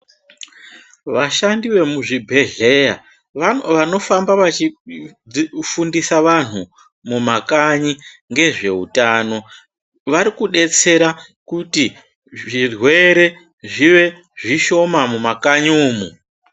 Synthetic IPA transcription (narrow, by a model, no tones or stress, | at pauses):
ʋaʃandiʋe̞muʐibʱe̞ɮe̞ja | ʋano̞fambaʋat͡ʃi | fundisaʋan̤u | mumakaɲiŋɡe̞ʐe̞ṵtano̞ | ʋaɾikuɗe̞t͡se̞ɾakuti | ʐirwe̞ɾe̞ | ʐiʋe̞ | ʐiʃo̞mamumakaɲuːmu